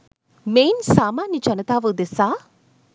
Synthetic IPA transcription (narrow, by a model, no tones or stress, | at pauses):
meːnsaːmaːnjɐt͡ʃɐnɐt̪aːʋɯd̪esaː